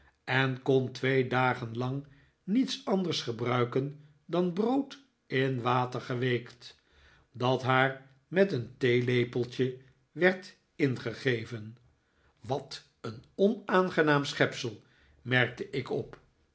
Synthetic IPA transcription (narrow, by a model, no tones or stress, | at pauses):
ɛnkɔntʋejdaːχənlɑŋ | nitsɑndəɹsχəbrœɥkən | dɑnbrowt | ɪnʋaːtəɹχəʋejkt | dɑtɦaːɹ | mɛtəntejlejpəlˠtə | ʋɛɹt | ɪnχəχejvən | ʋɑt | ənɔnaːnχənaːmsχɛpsəlˠ | mɛrk̚təʔɪkɔp